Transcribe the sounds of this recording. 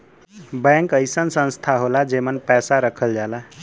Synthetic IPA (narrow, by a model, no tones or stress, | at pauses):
bɛ̃ŋkəjsənsə̃nst̪ʰaɦolad͡ʒemənpɛsaɾəkʰəld͡ʒala